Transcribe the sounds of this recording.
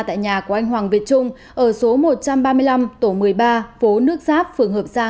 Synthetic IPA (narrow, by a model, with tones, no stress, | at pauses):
t̪a̰ː˧˨jɲaː˨˩kʔa˧jŋ̟ɦwaː˨˩ŋvi˨˩ət̚t͡ɕʊ˧ŋ͡m | ʔəː˧˩so˨˦mo˨˩t̚t͡ɕa˧mɓaː˧mɨ˧əjla˧mt̪o˧˩mɨ˨˩əjɓaː˧fo˨˦nɨ˦˥ək̚zaː˦˥p̚fɨ˨˩əŋhɦəː˨˩p̚zaː˧